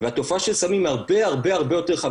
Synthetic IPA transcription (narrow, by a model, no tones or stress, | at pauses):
vehat̪o̞faʃelsamimaʁbe̞aʁbe̞aʁbe̞jo̞t̪e̞ʁχa